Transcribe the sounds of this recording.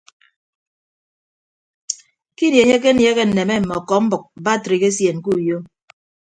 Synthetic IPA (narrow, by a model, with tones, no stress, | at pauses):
ki˦nje˨ɲe˦k̬e˦n˦je˦ke˦n̩˨ne˨me˦m̩˨mɔ˨kɔ˨m̩˦bʊ˨k̚ba˦˨tɾi˨ke˦sje˨ŋ̩˨ku˦˨jo˦